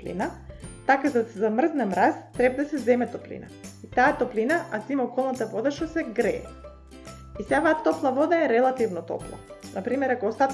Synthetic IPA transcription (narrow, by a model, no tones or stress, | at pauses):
lḭnat̪akazad̪asɛzamr̩znɛmɾast̪ɾɛbad̪asɛzɛmɛt̪ɔplḭna̰it̪aːt̪ɔplinaʔat̪imɔkɔlˠnat̪avɔd̪aʃt̪ɔsɛɡɾɛ̰ɛ̰ | isavat̪ɔplˠavɔd̪aɛɾɛlˠat̪ivnɔt̪ɔ̰plˠa̰napɾimɛɾakoːst̪at̪